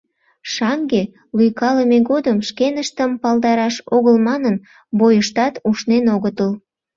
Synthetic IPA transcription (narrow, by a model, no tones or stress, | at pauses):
ʃɑŋɡe | lujkɑləmeɣod̪əmʃkenəʃt̪əmpɑld̪ɑɾɑʃoɣəlmɑnən | bojəʃt̪ɑt̪uʃnenoɣət̪əl